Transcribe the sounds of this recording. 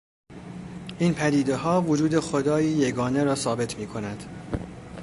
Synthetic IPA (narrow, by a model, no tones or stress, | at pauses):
ʔiːnpʰæd̪iːd̪e̞ɦɒːvod͡ʒuːd̪e̞xod̪ɒːiːje̞ɡɒːne̞ɾɒːsɒːbe̞t̪ʰmiːkʰo̞næd̪̥